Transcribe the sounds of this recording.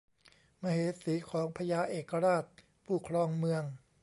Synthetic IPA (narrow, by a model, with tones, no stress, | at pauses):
ma˧ɦeː˨˩˦siː˩˦kʰɔː˩˦ŋpʰa˧jaː˧ʔeː˨˩kːa˧ɾaː˥˩t̪̚ | pʰuː˧˩kʰɾɔː˧ŋmɯ˧əŋ